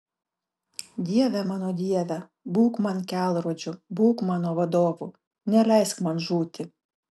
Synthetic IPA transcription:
d̪ʲiɛʋʲɛmɑːnoːd̪ʲiɛʋʲɛ | buːkmɐnkʲæːlˠɾuɔd͡ʒʲʊbuːkmɑːnoːʋɐd̪oːʋu | nʲɛlʲɛɪskmɐnʒuːt̪ʲɪ

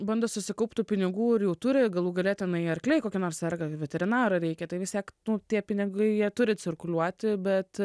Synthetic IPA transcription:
bɐnd̪ɐsʊsʲɪkɐʊpt̪ʊpʲɪnʲɪɡuːɪɾjɛʊt̪ʊɾʲɪɡɐlˠuːɡɐlʲeɛt̪ʲɪnɐɪɐrʲklʲɛɪkoːkʲɪnoːrsʲɛrɡɐʋʲɛt̪ʲɛɾʲɪnɑːɾɐɾʲɛɪkʲɛt̪ɐɪʋʲɪst̪ʲiɛknʊt̪ʲiɛpʲɪnʲɪɡɐɪjiɛt̪ʊɾʲɪt͡sʲɪrkʊlʲuɔt̪ʲɪbʲɛt̪

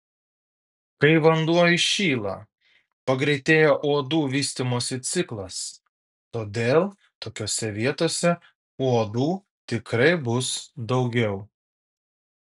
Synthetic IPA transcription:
kɐɪʋɐnd̪uɔjɪʃʲiːlˠɐ̰ | pɐɡɾʲɛɪt̪ʲeːjoːʔuɔd̪uːʋʲiːsʲt̪ʲimoːsʲɪt̪sʲɪklˠɐs | t̪oːd̪ʲeːlˠ | t̪oːkʲoːsʲɛʋʲiɛt̪oːsʲɛ | uɔd̪uː | t̪ʲɪkɾɐɪbʊsd̪ɐʊɡʲɛʊ

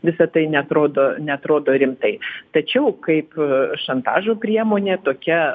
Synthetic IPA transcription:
ʋʲɪsɐt̪ɐɪnʲɛɐt̪ɾoːd̪oːnʲɛɐt̪ɾoːd̪oːɾʲɪmt̪ɐɪt̪ɐt͡ʃʲɛʊkɐɪpʃɐnt̪ɑ̰ːʒoːpʲɾʲiɛmoːnʲeːt̪oːkʲɛ

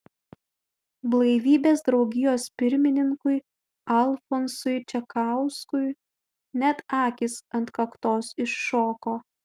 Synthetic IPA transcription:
blˠɐɪʋʲiːbʲeːsd̪ɾɒʊɡʲɪjoːspʲɪɾʲmʲɪnʲɪŋkʊɪ | ɐlˠfɔnsʊɪt͡ʃʲɛkɑˑʊskʊɪ | nʲɛt̪ɑːkʲɪsɐnt̪kɐkt̪oːsɪʃːoːkoː

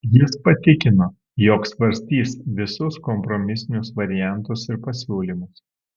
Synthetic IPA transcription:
jɪspɐt̪ʲɪkʲɪnoː | joːksʋɐɾʲsʲt̪ʲiːsʋʲɪsʊskɔmpɾɔmʲɪsʲɪnʲʊsʋɐɾʲɪjæˑnˑt̪ʊsɪɾpɐsʲuːlʲimʊs

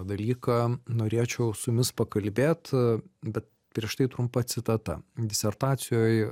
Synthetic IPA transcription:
d̪ɐlʲiːkɑːnoːɾʲeːt͡ʃʲɛʊsʊmʲɪspɐkɐlʲbʲeːt̪bʲɛt̪̚ | pʲɾʲiɛʃt̪ɐɪt̪ɾʊmpɐt̪sʲɪt̪ɐt̪ɐ̰d̪ʲɪsʲɛrt̪ɑːt̪sʲɪjoːj

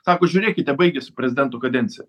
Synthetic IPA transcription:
sɑːkoːʒʲuːɾʲeːkʲɪt̪ʲɛbɐɪɡʲɛsʲɪpʲɾʲɛzʲɪd̪ʲɛnt̪okɐd̪ʲɛnʲtsʲɪjɛ

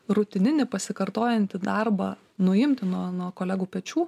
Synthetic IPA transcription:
ɾʊt̪ʲɪnʲɪnʲɪpɐsʲɪkɐɾt̪oːjɛnʲt̪ʲɪd̪ɑrbɐ | nʊɪmʲt̪ʲɪnuɔnuɔkoːlʲæːɡuːpʲɛt͡ʃʲuː

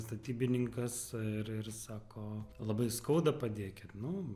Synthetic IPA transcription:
st̪ɐt̪ʲiːbʲɪnʲɪŋkɐsɪɾɪrsɑːkoːlˠɐbɐɪskɐʊd̪ɐpɐd̪ʲiɛkʲɪt̪nʊ

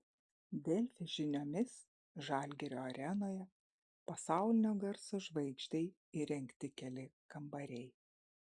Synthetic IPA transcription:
d̪ʲɛlʲfʲɪʒʲɪnʲoːmʲɪs | ʒɑːlʲɡʲɛɾʲoːɐɾʲɛnoːjɛ | pɐsɑˑʊlʲɪnʲoːɡɐɾsoːʒʋɐɪkʃʲt̪ʲɐɪ | iɾʲɛŋʲkt̪ʲɪkʲɛlʲɪkɐmbɐɾʲɛɪ

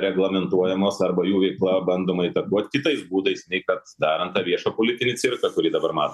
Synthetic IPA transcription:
ɾʲɛɡlˠɐmʲɛnt̪uɔjɛmoːsɐɾbɐjuːʋʲɛɪklˠɐbɐnd̪oːmɐɪt̪ɐkuɔt̪ʲkʲɪt̪ɐɪsbuːd̪ɐɪsnʲɛɪkɐt̪d̪ɑːɾɐnt̪t̪ɑːʋʲiɛʃɐːpolʲɪt̪ʲɪnʲɪsʲɪrkɐkʊɾʲiːd̪ɐbɐɾmɑːt̪o

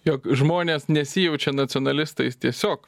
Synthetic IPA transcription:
jokʒmoːnʲeːsnʲɛsʲɪjɛʊt͡ʃʲɛnɐt̪sʲɪɔːnɐlʲɪst̪ɐɪst̪ʲiɛsʲoːk

